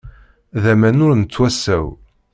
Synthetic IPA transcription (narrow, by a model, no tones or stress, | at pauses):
ðæmænʊɾnət͡sːwæsæw